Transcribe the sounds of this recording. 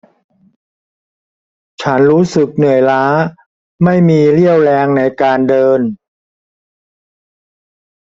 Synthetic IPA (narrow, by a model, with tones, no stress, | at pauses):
t͡ɕʰa˦˥nɾuː˦˥sɯ˨˩k̚nɯ˨˩əjlaː˦˥ | ma˥˩jmiː˧ɾi˥˩əwlɛː˧ŋna˧jkaː˧ndɤː˧n